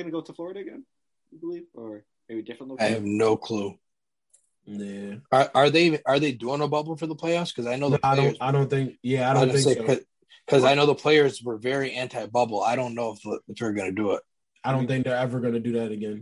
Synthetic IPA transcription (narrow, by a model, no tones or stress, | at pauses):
ɡʌnɨɡoʊɾəflɔɹəɾɨɨɡɛ̰̃n | bəlivə˞ | meɪbidɪfɹə̃nˡlaɪɨvnoʊkʰl̥u | jæə˞ʔə˞ðeɪ̃ə˞ðeɪduɪ̃ŋəbʌbl̩ˠfə˞ðəpʰl̥eɪɑfskʰʌzaɪnoʊðəaɪõʊ̃aɪɾõʊ̃nθɪ̃ŋkjæaɪɾõʊ̃θɪ̃seɪkʌ | kʰʌzaɪnoʊðəpʰl̥eɪə˞zwə˞vɛɹiʔæ̃ntʰaɪbʌbl̩ˠa̰ɪɾõʊ̃nːoʊəfðəɨfðə˞ɡʌnɨdɨɪt̚ | aɪɾõʊ̃nθɪ̃ŋk̚ðə˞ɛvə˞ɡʌnɨdɨðæɾɨɡɛ̃n